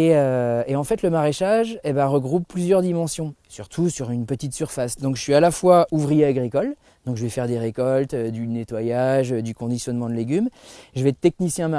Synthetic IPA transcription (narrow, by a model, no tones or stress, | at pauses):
eøeɑ̃fɛt̪ləmaʁeʃaʒebaʁəɡʁupːlyzjœʁd̪imɑ̃sjɔ̃syʁt̪ʰusyʁynpət̪it̪syʁfasd̪ɔ̃kʒə̥sɥialafwauvʁijeaɡʁikɔl | d̪ɔ̃kʒəvɛfɛʁd̪eʁekɔlt̪ød̪ynet̪wajaʒød̪ykɔ̃d̪isjɔnmɑ̃d̪əleɡʲymʒəvɛt̪t̪ːɛk̚nisjɛ̃ma